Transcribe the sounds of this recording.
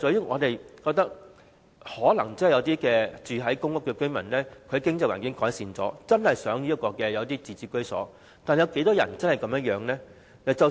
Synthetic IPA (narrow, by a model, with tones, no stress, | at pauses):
ɔ˨˥jŋɔː˨˧t̪e˨jkɔː˧k̚t̪ɐ˥k̚ | hɔː˨˥lɐ˨˩ŋt͡sɐ˥˨jɐ˨˧wt̪iː˥kɛː˧t͡syː˨ɦɐ˨˥jkʊ˥ŋkʊ˥kːɛː˧kɵ˥ɥmɐ̰˨˩nlɛː˥kʰɵ˨˧˥kɪ˥ŋt͡sɐ˨jwa̰ː˨˩ŋkɪ˨˥ŋkɔː˨˥jsiː˨nt͡sɔ̰ː˨˥t͡sɐ˥nhɐ˨jsœː˨˥ŋli˥ɐ˥t̚kːɔː˧kɛː˧jɐ˨˧wt̪iː˥t͡siː˨˧t͡siː˧kːɵ˥ɥsɔ̰ː˨˥ | t̪aː˨njɐ˨˧wke˨˥jt̪ɔː˥jɐ̰˨˩nt͡sɐ˥nhɐ˨˩jkɐ˨˥mjɐ˥jœː˨˧˥ŋlɛː˥ | ɐ˨t͡sɐ˨